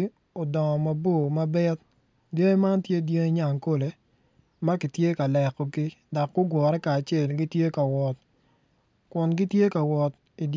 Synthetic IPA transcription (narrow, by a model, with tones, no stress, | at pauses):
o˨dɔ˨ŋɔ˨ma˦bo˦˨ma˦bɛ˦t̪̚ | dje˦ŋe˦ma˦ntje˦dje˦ŋe˦ɲa˨ŋko˦le˨ | ma˦kɪ˨tje˦ka˨lɛ˨kːɔ˨ɡɪ˦dɔ˨kːʊ˦ɡwɔ˨ɾɛ˦kaː˨t͡ʃe˦˨lɡɪ˦tje˦ka˨wɔ˨t̚ | kwʊ˨nɡɪ˦tje˦ka˨wɔ˨t̚ | i˨d